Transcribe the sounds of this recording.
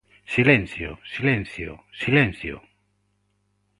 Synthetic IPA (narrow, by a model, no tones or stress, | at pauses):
silẽn̟θjo̰silẽn̟θjo̰silẽnθjo̰